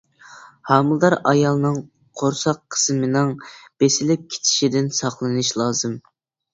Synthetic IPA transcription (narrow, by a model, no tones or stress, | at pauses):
hɑmɨlˠd̪ɑɾɑjɑlˠnɨŋ | qʰoɾsɑqʰːə̥smɨnɨŋb̥esɪlɪp̚kʲʰe̥t͡ʃ̪ʰɪ̥ʃid̪ɪnsɑχlˠɨnɨʃlˠɑːzɨm